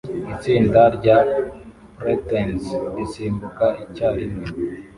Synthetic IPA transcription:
isiːndaɾɟa | pɾetensisiːmbukaicaine

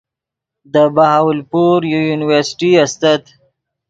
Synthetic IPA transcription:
d̪əbahawlpuɾjujunɪwəɾsɪ̥ʈiast̪at̪

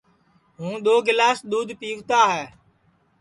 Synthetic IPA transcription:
ɦũːɗ̪oːɡɪlaːsɗ̪uːd̪ʱpiːkt̪aːɦɛː

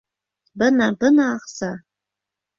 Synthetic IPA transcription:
bɨnabɨnaːχsa

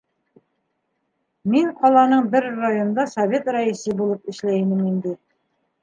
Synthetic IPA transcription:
miŋqɒlˠɑnɤɴbɘɾrajond̪ɑsɐvʲet̪raisɘbulˠɤpɘ̆ʃlæjmɘmind̪ɘ

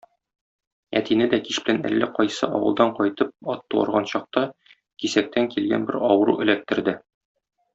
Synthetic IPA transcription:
æt̪inɘd̪ækiʃbɘ̆lænæ̰lːæqɒjsɤʔɒwɤ̆lˠd̪ɑɴqɒjt̪ɤp̚ɒt̪ːuɑ̰ɾʁɑnɕɒq̚t̪ɑ | kisæk̚t̪æŋkilɡæ̰nbɘɾɒwɤ̆ɾuʔɘ̆læp̚t̪ɘ̆ɾd̪ɘ

